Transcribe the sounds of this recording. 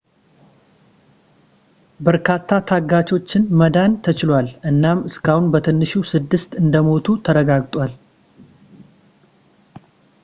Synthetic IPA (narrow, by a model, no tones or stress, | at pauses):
bəɾkʰat̪ʰːat̪ʰaɡat͡ʃo̞t͡ʃːɪnməd̪ant̪ʰət͡ʃɪlwalʔɨnːamɨskʰahunbət̪ʰɨnːɨʃusɨd̪ːɨst̪ɨnd̪əmo̞t̪ʰut̪ʰəɾəɡaɡt̪ʼwal